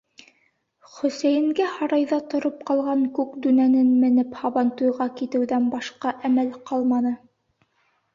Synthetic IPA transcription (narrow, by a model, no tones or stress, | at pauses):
χɵ̆sæjɘ̆ŋɡæhɑɾɑjðɑt̪ŏɾop̚qɑlˠʁɑŋkʉkd̪ʉnænɘnmɘ̆nɘphɑβɑnt̪ujʁɑkit̪ɘ̆wðænbɑʃqɑʔæmælqɑlˠmɑnɤ